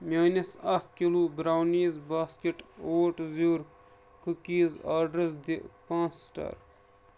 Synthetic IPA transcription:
mʲaːnisɐkkiluːbɾawniːzbaːskeʈoːʈziɾ | kukiːzaːɖɾɐsd̪iʔpãːsːʈɐ̰ɾ

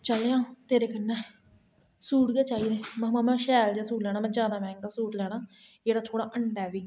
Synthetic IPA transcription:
t͡ʃəljãːt̪eːɾeːkənːɛː | suːʈɡeːt͡ʃaːiːd̪eːmɛ̃ːm̃ːmɛ̃ːʃɛːld͡ʒːasuːʈlɛːɽ̃aːmɛ̃ːd͡ʒjaːd̪aːmɛ̃ːŋkaːsuːʈlɛːɽaːd͡ʒeːɽaːt̪ʰoːɽaːʔəɳɖɛːʋiː

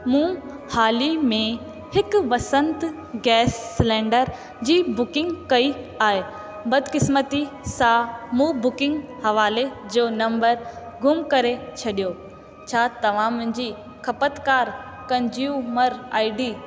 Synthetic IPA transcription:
mũː | haːlimẽ | hɪkʋɐsə̃nt̪ | ɡɛːsːlɛ̃ːɳɖəɾ | d͡ʑiːbʊkɪ̃ŋɡkɐi | aːɦe | bɐd̪ʱkɪsmət̪isãmũːbʊkɪ̃ŋɡhɐʋaːled͡ʑoːnɐ̃mbəɾ | ɡʱʊmkɐɾet͡ɕʰɐɗijo | t͡ɕʰaːt̪ɐʋ̤ãmʊ̃ɦɪ̃ɲd͡ʑiː | kʰɐpət̪kaːɾ | kɐ̃nd͡ʑjuːməɾa̰ːɪɖiː

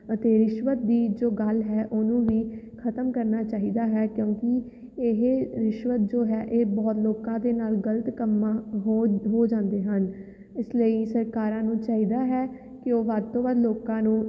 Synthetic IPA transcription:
ət̪eːɾɪʃʋət̪̚d̪iːd͡ʒoːɡəlɦɛːʔoːnũːʋiː | kʰət̪əmkəɾnaːt͡ʃaːɦiːd̪aːɦɛːkjõːkɪ | eɦeɾɪʃʋət̪̚d͡ʒoːɦɛːʔeːbɔːt̪loːkãːd̪eːnaːlɡələt̪kəmaːɦoɦoːd͡ʒãːnd̪eːɦən | ɪsləiːsəɾkaːɾãːnũːt͡ʃaːɦiːd̪aːɦɛː | kɪoːʋəd̪̚t̪õːʋəd̪loːkãːnũː

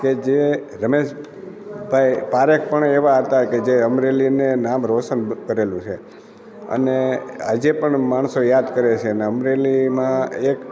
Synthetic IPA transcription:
ked͡ʒe | ɾəmeʃ | bʱaipaɾek̚pəɳeʋaɦət̪aked͡ʒeəmɾelinenamɾoʃənkəɾelũt͡ʃʰe | ə̰nead͡ʒepəɳmaɳ̃sojad̪kəɾet͡ʃʰeəneəmɾelimãek

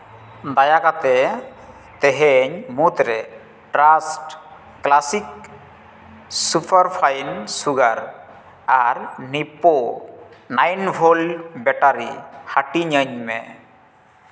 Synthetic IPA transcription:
d̪ajakat̪ɛ | t̪ɛɦɛɲmut̪ɾɛ | ʈɾasʈ | klasik̚ | supʰaɾpʰajnsuɡaɾ | aɾnipo | najnbʰʱolbɛʈaɾihaʈiɲəɲmɛ̰

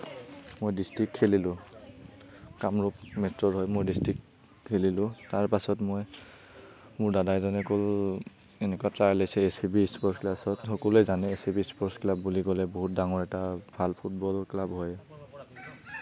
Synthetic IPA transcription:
mojdistɹik̚tʰelilʊ̃ | kamɹɔpmɛstɔɹɦɔjmojdistɹiktʰː | elilʊ̃taɹpasɔtmoj | mʊɹdadajzɔnɛkɔl | enɛkwatɹalajsɛesibispɔɹsklasɔtxɔkɔlɛzanɛesibispɔɹsklabːuliɡɔlɛboɦut̚daŋɔɹɛtabʱalpʰut̚bɔlɔklabɦɔj

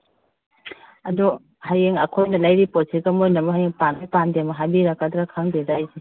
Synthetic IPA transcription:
ɐdu | hajeŋɐkʰojnɐlajɾiposʰiɡɐmojnɐmɐɦajeŋpanipandemɐɦabiɾakadɾakʰaŋdedajzi

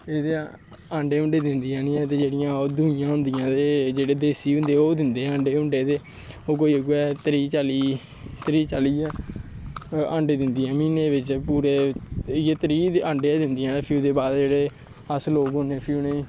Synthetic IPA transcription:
eːd̪eː | ãːɳɖeːʊ̃ɳɖeːd̪ɪnd̪iːãːniːɛ̃ːt̪eːd͡ʒeːɽɪjãːoːd̪ʊnɪjãːɦʊ̃nd̪ɪjãːd̪eːd͡ʒeːɽeːd̪eːsiːʊ̃nd̪eːoːd̪ɪnd̪eːə̃ɳɖeːʊ̃ɳɖeːt̪eː | oːk̬oːiːəɡuːɛːt̪ɾiːt͡ʃaːliː | t̪əɾiːt͡ʃaːliːɛː | ə̃ɳɖeːd̪ɪnd̪iːɛ̃ːmiːneːʋɪt͡ʃpuːɾeːjeːt̪əɾiːə̃ːɳɖeːɛ̃ːd̪ɪnd̪ɪjãːpʰuːd̪eːbaːd̪d͡ʒeːɽeː | əsloːkɦõneːpʰuːneĩː

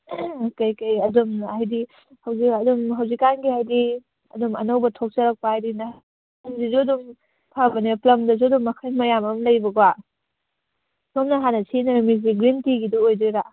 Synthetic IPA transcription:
kɐjkɐjɐdumajdi | hɐwzikɐdumɦɐwzikːanɡiɦajdi | ɐ̰dumɐ̰nɐwbɐtʰok̚sɐɾɐk̚paɦajdinɐ | ɐŋzizudum | pʰabɐniplɐŋdɐzudumɐkʰɐjmɐjamɐmlɐjbɐɡwa | somnɐɦanɐsʰinɐɾmiziɡɾintiɡiduojdiɾa

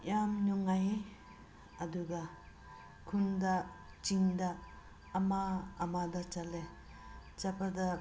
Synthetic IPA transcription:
jamnuŋaj | ɐduɡa | kʰunda | t͡ʃiŋdaː | maːmadat͡ʃale | t͡ʃapʰada

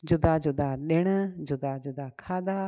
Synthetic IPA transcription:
d͡ʒʊd̪aːd͡ʒʊd̪aːɗeɽ̃d͡ʒʊd̪aːd͡ʒʊd̪aːkʰaːd̪aː

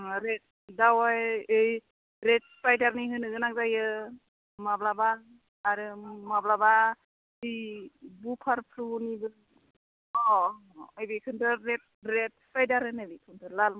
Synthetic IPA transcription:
ɾet̚ | dawajɯj | ɾet̚spajdaɾniɦɯnɯɡɯnak̚zajɯ | mablabaː | ɾɯmablaba | ibupʰaɾpʰɾunibɯɾ | ɔ | ɯjbikʰɯntʰɯɾet̚ɾet̚spajdaɾɯnɯbitʰuntʰɯlalm

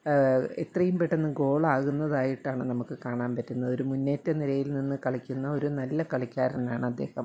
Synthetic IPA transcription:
et̪rɐjumpeʈːenːɨɡo̞ːɭaːɣunːɐðaːjiʈːaːɳɨnɐmukːɨkaːɳaːnpɐtːunːɐðo̞ɾumunːe̞ːtːɐniɾɐjilninːɨkɐɭikʲːunːɐo̞ɾunɐlːɐkɐɭikʲːaːɾɐnaːɳɨɐd̪ːe̞ːhɐm

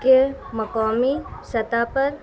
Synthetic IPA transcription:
kemɐkaːmisɐt̪apɐɾ

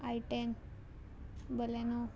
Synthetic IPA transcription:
aiʈen | bəleno

